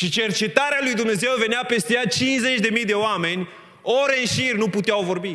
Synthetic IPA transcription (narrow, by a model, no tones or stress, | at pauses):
ʃit͡ʃe̞rt͡ʃe̞t̪aɾealujd̪umne̞ze̞wve̞neape̞st̪ejat̪̚t͡ʃinze̞t͡ʃʲd̪e̞mijd̪e̞oame̞nʲ | oɾɨnʃirʲnuput̪eawvo̞rbi